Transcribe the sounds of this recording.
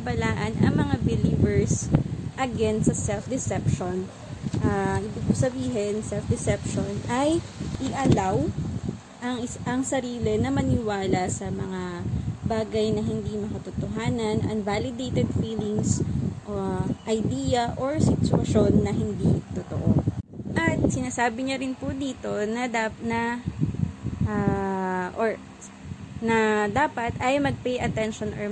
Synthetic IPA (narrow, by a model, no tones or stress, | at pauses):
ɐbɐlaːʔɐnʔɐ̰ŋmɐŋabɪliːvɛɹsʔɐɡɛnsɐsɛlfd̪ɪsɛpʃon | ʔaːʔibiɡ̚pʊsɐbiːɦɛnsɛlfd̪ɪsɛpʃonʔɐjʔɪʔɐlaw | ʔɐŋɐŋsɐɾiːlɛnɐmɐnɪwaːlɐsɐmɐŋabaːɡɐjnɐɦɪnd̪imɐkɐt̪ʊt̪oɦaːnɐnʔɐ̰ŋvalɪd̪ejt̪ɛd̪fiːlɪŋsʔoʔɐjd̪iːjɐʔoɹsɪt̪ʊɐʃo̞nːɐɦɪnd̪it̪ʊt̪o̰ʔoʔɐt̪̚sɪnaːsaːbɪɲɐɾɪnpʊd̪iːt̪o̞nɐd̪anɐ | ʔa | ʔoɹ | nɐd̪aːpɐt̪ɐjmɐɡ̚pejʔɐt̪ɛnʃonʔɔ